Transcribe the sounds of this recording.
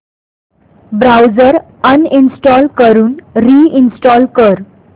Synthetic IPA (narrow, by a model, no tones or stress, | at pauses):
bɾawd͡zəɾ | əninsʈɔlkəɾuːnɾiːinsʈɔlkəɾ